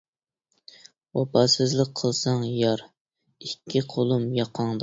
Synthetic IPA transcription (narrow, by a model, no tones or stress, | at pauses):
ɑpʰɑsɨzlˠək̚qʰːəlˠsɑŋjɑɾ | ikʲʰːiqʰolˠumjɑqʰɑŋd̪ɑ